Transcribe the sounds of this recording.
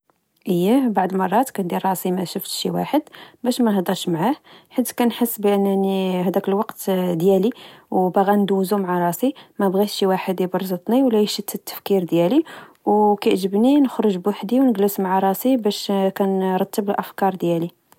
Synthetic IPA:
ʔəjːæbaʕd̪mɑrˤːɑt̪kænd̪iɾːˤɑsimæʃəft̪ʃiwa̰ħəd̪bæʃmænhd̪ˤɑɾʃmʕahħat̪ːkænħəsːbəʔənːænihæd̪ækəlwɑqt̪d̪jæliwbæɣænd̪uzumʕaɾˤɑsimæbɣit̪ʃiwaħəd̪ibəɾˤzət̪ˤniwlːæjəʃət̪ːət̪ːə̥fkiɾd̪jæli | wkæʕʒəbninəxɾəʒbwaħd̪iwnəɡləsmʕaɾˤɑsibæʃkænɾˤɑt̪ːəbəlʔəfkɑɾˤd̪jæli

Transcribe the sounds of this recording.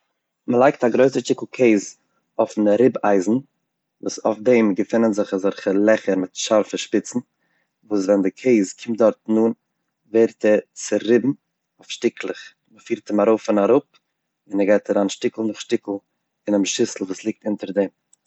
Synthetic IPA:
məlˠaɪk̚taɡɾoɪsəʃtɪkl̩ˠkʰeɪz | ɔfn̩ɾɪba̰ɪzn̩ | vuːsaʊfdɛmɡəfɪnənzɪχazɔɾχəlˠɛχəɾmɪtʃaɾfəʃpɪt͡sn̩ | vuːs̬vɛndɪkʰeɪzkʰɪmt̚dɔɾtnuːn | veɪɾtɛt͡sɪɾɪbm̩ | ofʃtɪkʰlˠɪχ | məfiːɾtɪmaɾoʊfɪnaɾʊp̚ | ɪnɛɡaɪtaɾaːnʃtɪkl̩ˠnʊχʃtɪkl̩ˠ | ɪnɪmʃɪsl̩ˠvuːslˠɪk̚tɪntəɾdɛm

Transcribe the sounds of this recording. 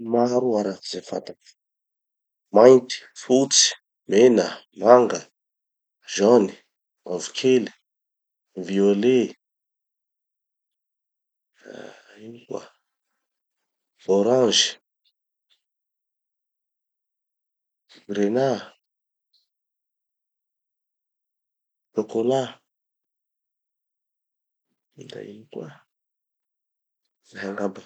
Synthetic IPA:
maɾuaɾakizefa̰t̪a | majnt̪i̥fut͡si̥ | menə | maŋɡə | ʒɔni̥ | mavukʰeli̥ | viole | inuə̰ | oɾãʒ | ɡɾena | tokola | ida̰jḭŋkwa | ahɛŋaba

